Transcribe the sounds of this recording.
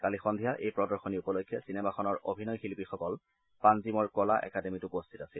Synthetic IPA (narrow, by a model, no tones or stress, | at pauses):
kalixɔnd̪ʱijaʔejpɹɔdɔɹxɔniupɔlokʰːjɔsinɛmaxɔnɔɹo̰bʱinɔjxilpixɔkɔl | panzimɔɹkɔlaʔɛ̰kademitʊpost̪ʰitasil